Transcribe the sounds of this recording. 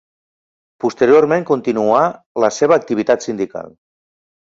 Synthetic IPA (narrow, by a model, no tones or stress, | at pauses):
pust̪əɾioɾmẽŋkunt̪inua | ləseβəːk̚t̪iβit̪at̪sind̪ika̰lˠ